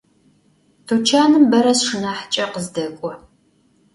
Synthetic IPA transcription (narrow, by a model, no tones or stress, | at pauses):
tʰot͡ʃʰaːnɨmbɐɾɐsʂɨnaħt͡ʃʼɐqəzdɐkʷʼɔ